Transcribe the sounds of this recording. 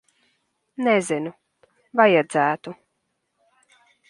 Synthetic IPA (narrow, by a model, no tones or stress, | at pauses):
nɛzinu | vajad̪zæːt̪u